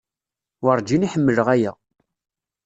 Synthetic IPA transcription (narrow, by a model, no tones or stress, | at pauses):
wəɾˤd͡ʒiniħəmːələʁæjæ